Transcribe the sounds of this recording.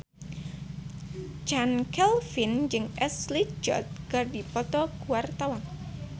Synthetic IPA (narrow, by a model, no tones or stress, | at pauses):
d͡ʒankɛlfind͡ʒɨŋʔɛslid͡ʒɔ̰t̪̚kərdipɔt̪ɔkuart̪awan